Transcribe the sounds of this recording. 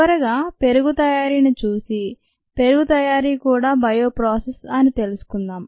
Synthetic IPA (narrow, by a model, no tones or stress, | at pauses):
ɐɾɐɡaːpe̞ɾuɡut̪ɐjaːɾiːnit͡ʃuːsi | pe̞ɾuɡut̪ɐjaːɾiːkuːɽaːbɐjo̞ːpɾaːsesɐnit̪e̞lusu̥kund̪aːm